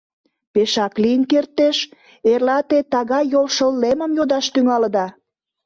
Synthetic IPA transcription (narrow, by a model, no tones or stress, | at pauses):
peʃɑkliənkert̪ːeʃ | erlɑt̪et̪ɑɣɑjːolʃəlːeməmjod̪ɑʃt̪yŋɑləd̪ɑ